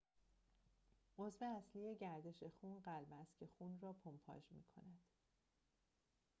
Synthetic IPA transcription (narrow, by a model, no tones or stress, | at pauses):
ʔo̞zve̞æslije̞ɟæɾd̪e̞ʃe̞xuːnɢælbæst̪cʰe̞xuːnrɒːpʰompʰɒ̰ːd͡ʒmḭːkʰo̞̰næd̪̥